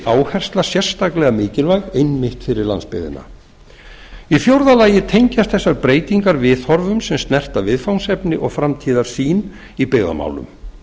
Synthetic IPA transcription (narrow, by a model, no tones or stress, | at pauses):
aːwhɛr̥st̪lasjɛr̥st̪aklɛɣamɪːcɪlvaɣejnmɪht̪fɪɾɪɾla̰nspɪ̰ðɪ̰nːa̰ | ifjowɾðalaːjɪt̪ʰejɲcast̪θɛsːaɾpɾeːjt̪iŋkaɾvɪθɔɾvʏmsɛmst̪nɛr̥t̪avɪðfawnsɛpnɪʔɔɣfɾamt̪ʰiːðaɾ̥siːn | ipɛɣða̰ma̰ːwlʏ̰m